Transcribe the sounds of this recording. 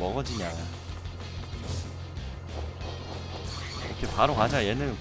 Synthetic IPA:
mʌɡʌd͡ʑiɲa | okʰepaɾoŋad͡ʑajenɯ

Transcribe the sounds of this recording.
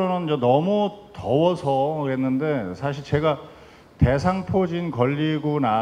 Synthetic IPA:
onɯnd͡ʑʌnʌmutʌwʌsʰʌɡe̞nːɯnde̞sʰaɕʰiɭt͡ɕe̞ɡa | te̞sʰaŋpʰod͡ʑinkʌʎːiɡona

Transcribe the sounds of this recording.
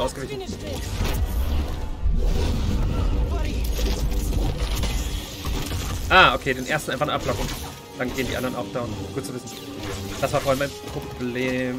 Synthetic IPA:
aʊsɡ̥əvɪçn | ʔaːʔokʰeːdeːnʔeːɐstn̩ʔaɪfaχnəʔaplɔkʊŋ | d̥anɡeːəndiːʔandɐʁənʔaʊfd̥aʊnɡ̥uːt̚t͡suvɪsn̩ | d̥asv̥aːɐfoːhalnmaɪnpʁ̥obleːm

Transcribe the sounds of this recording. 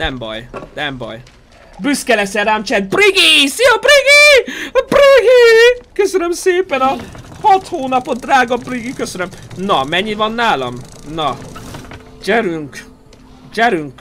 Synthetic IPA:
nɛmbɒ̰jnɛmbɒ̰j | byskɛlɛsɛramt͡ʃɛd̪̚briɡisiɒbriɡibriɡikøsønømseːpɛnɒ | hɒt̪hoːnɒpod̪raːɡɒbriɡikøsønømnɒmɛɲːivɒnːaːlɒ̰mnɒ | d͡ʒɛɾyŋk | d͡ʒɛɾyŋk

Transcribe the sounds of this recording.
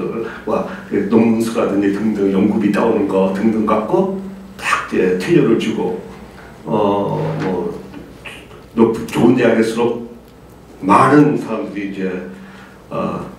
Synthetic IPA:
ʌɯɭka̰enoŋmuŋsʰɯɡadɯɲitɯŋdɯŋjʌŋɡubit͈a̰onɯnɡʌtɯŋdɯŋk͈ap̚k͈o | tak̚t͡ɕetʰeʎːʌɾɯɭt͡ɕuɡo | ʌmʌ̰ | nopʰt͡ɕoneaɡesʰɯɾok̚ | maɾɯnsʰaɾamdɯɾiːd͡ʑe | ʌ̰

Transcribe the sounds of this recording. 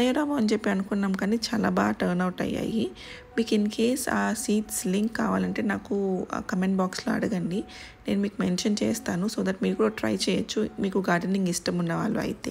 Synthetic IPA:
ɐjɐɾaːmoɐnd͡ʒepːiɐnukunːaːmkaːnit͡ʃaːlaːba̰ːʈɐɾnɐwʈɐ̰ja̰ːji | miːkinkʰeːsaːsiːʈsliŋkːaːʋaːlɐɳʈe̞ːnaːkukɐmeɳɖbaːksloːɐ̰ɽɐɡɐɳɖi | ne̞ːnumiːkumenʃɐnt͡ʃɛːst̪aːnusoːd̪ɐʈmiːɾkuːɽɐːʈɾɐ̰jt͡ʃɛːjɐt͡ʃːumiːkuɡaːɾɖeniŋɡisʈɐmunːɐʋa̰ːɭːuɐ̰jit̪eː

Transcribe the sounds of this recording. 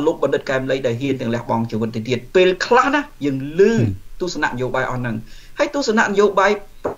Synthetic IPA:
loːk̚ɓɑnɗɨt̪̚kaɛmləjɗaɔlɦiənt̪ɛ̆əlɛ̆əhɓɑŋt͡ɕiəʋɨt̪̚ːiət̪iət̪̚peːlkʰlahnahjəːŋlɨːt̪ŭəhsana̰ʔnəjoːɓaːjʔɑnɨŋhaəjt̪ŭəhsana̰ʔnəjoːɓaːjp

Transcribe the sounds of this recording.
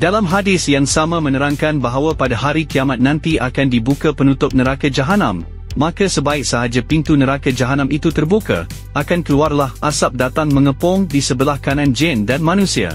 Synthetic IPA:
dalamɦadɪsjaŋsamãmə̃nəɾaŋkanbaɦawapadaɦaɾikiamat̪̚nãnt̪iʔakandibukapənut̪ʊp̚nəɾakad͡ʒaɦanã̰mː | ãkasəbaɪk̚səɦad͡ʒapint̪unəɾakad͡ʒaɦanãmit̪ut̪ərbuka̰ | akankəluarlahʔasap̚dat̪aŋmə̃ŋəpɔŋdisəbəlahkanãnd͡ʒɛndanmãnũsia̰

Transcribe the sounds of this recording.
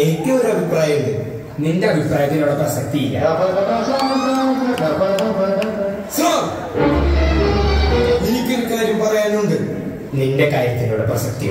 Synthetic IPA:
etːɐʋoɾuɐbʱipraːjɐiɭɨ | ninde̞ɐbʱipraːjɐt̪ːinuɽɐkːrɐsɐk̚t̪ijilːɐ̰ | sro | ened̪ʱinikʲːuɾukaːɾjɐmpɐrɐjanːuɳɖɨ | ninde̞kaːɾjɐt̪ːinuːɽeprɐsɐk̚t̪i

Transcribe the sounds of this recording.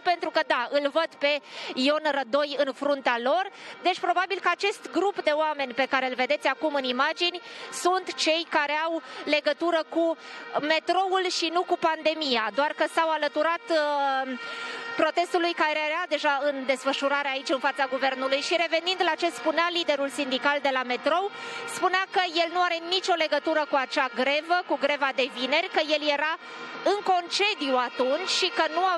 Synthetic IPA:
pe̞nt̪ɾukəd̪aɨlvəd̪pe̞io̞nrəd̪o̞jɨnfɾunt̪ealo̞rd̪e̞t͡ʃʲpɾo̞babilkəat͡ʃe̞st̪ɡɾupd̪e̞oame̞nʲpe̞kaɾe̞ulve̞d̪e̞t̪sʲakumɨnimad͡ʒinʲsunt̪t͡ʃe̞jkaɾe̞awle̞ɡət̪uɾəkume̞t̪ɾo̞ulʃinukupand̪e̞mijad̪oarkəsawalət̪uɾat̪ | pɾot̪e̞st̪ulujkaɾeaɾead̪e̞ʒaɨnd̪e̞sfəʃuɾaɾeait͡ʃɨnfat̪saɡuve̞rnulujʃiɾe̞ve̞nind̪lat͡ʃe̞spunealid̪e̞ɾulsind̪ikald̪e̞lame̞t̪ɾo̞wspuneakəje̞lnuaɾe̞nit͡ʃo̞le̞ɡət̪uɾəkuat͡ʃaɡɾe̞vəkuɡɾe̞vad̪e̞vine̞rʲkəje̞lje̞ɾa | ɨŋko̞nt͡ʃe̞d̪ijuat̪unt͡ʃʲʃikənua

